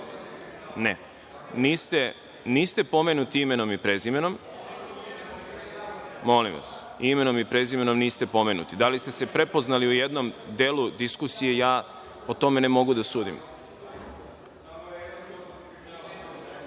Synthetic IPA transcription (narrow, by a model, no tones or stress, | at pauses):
ne | niːst̪e | niːst̪e̞po̞menut̪iime̞no̞mipɾezime̞no̞m | mo̞lḭmʋa̰s | ime̞no̞mipɾe̞zime̞no̞mniːst̪e̞po̞me̞nṵt̪id̪alist̪e̞se̞pɾe̞po̞znaliujed̪no̞md̪elud̪iskusije̞jaː | ot̪o̞me̞ne̞mo̞ɡud̪asuːd̪ḭm